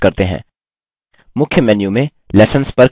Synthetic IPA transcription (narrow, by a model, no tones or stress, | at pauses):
kɐɾt̪eɦɛ̰̃ː | mʊkʰjəmɛːnjumẽ | lɛːsənspɐɾ